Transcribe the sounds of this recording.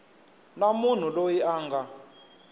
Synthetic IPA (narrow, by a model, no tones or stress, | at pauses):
namun̤ulojiaːŋɡʱa